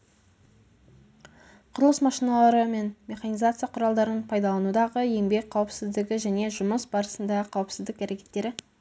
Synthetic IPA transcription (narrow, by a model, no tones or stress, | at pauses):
qʰʊɾəlˠəsmɑʃinɑlˠɑɾəme̞nmʲe̞χɑnijzat̪sɨjɑqʰʊɾɑlˠd̪ɑɾənəɴpʰɑjd̪ɑlˠɑnud̪ɑʁəe̞mbe̞k̚ʲqʰɑwəpsɪzd̪ɪɡʲɪʒæne̞ʒʊməsbɑɾəsənd̪ɑʁəqʰɑwəpsɪzd̪ɪkæɾe̞kʲʰe̞t̪ːe̞ɾɪ